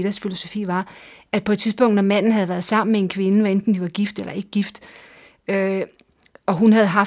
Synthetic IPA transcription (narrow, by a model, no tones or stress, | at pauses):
d̥ɐsfilo̝so̝fḭːʋɑ̈æ̥pʰɒed̥t͡sʰiðˠsb̥ɔ̽ŋ̰d̥nɒ̽mæn̰n̩ɦæð̞̩ˠʋæɐð̞̩ˠsɑ̈m̰n̩mee̝nkʰʋe̝nəʋɑ̈end̥n̩d̥iʋɑ̈ɡ̥ifd̥elɐe̝ɡ̥əɡ̥ifd̥ | ø | ɒ̽ɦunɦæð̩ˠɦɑ̈